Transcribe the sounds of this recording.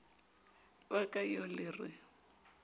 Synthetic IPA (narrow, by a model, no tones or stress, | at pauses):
bakʼaiɔlɪːrwɪ̰